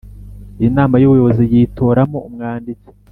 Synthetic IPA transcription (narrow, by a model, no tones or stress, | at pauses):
inaːmajuβujo̞βo̞zijiːto̞ːɾamo̞umŋaːndit͡se̥